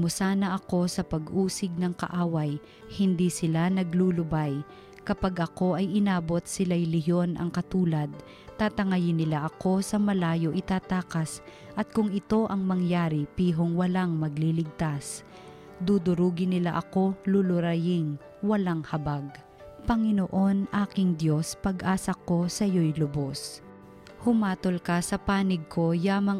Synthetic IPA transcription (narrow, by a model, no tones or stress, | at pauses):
mʊsaːnɐʔɐko̞sɐpɐɡʔuːsɪɡ̚nɐŋkɐ̰ʔaːwɐj | hɪnd̪isɪlanɐɡlulʊbaj | kɐpaɡʔɐko̞ʔɐjʔɪnaːbo̞t̪̚sɪlajlɪɦjo̞nʔɐ̰ŋkɐt̪uːlɐd̪̚ | t̪aːt̪ɐŋɐjɪnːɪlaʔɐko̞sɐmɐlaːjo̞ʔɪt̪aːt̪aːkɐs | ʔɐt̪̚kʊŋɪt̪o̞ʔɐŋmɐŋjaːɾɪpiːɦoŋwɐlaŋmɐɡ̚lilɪɡ̚t̪as | d̪ud̪ʊɾuːɡɪnɪlaʔɐko̞lʊlʊɾajɪŋ | wɐlaŋhɐbaɡ̚ | pɐŋɪnoʔo̞nʔaːkɪŋd̪jo̞spɐɡʔaːsɐko̞sɐjojlʊbo̞s | hʊmaːt̪olkɐsɐpaːnɪɡ̚kʰo̞jaːmɐŋ